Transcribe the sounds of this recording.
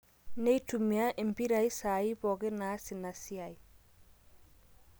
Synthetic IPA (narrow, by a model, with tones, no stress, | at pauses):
ne˦jtu˨mi˨a˦ʔi˨mpi˦ɾa˨i˦sa˨i˦bɔ˨ɡɪ˦na˦sɪ˨na˨si˦a˨j